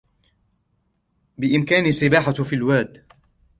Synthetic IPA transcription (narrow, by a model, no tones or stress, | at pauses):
bɪʔɪmkaːnisːɪbaːħafilwaːd̪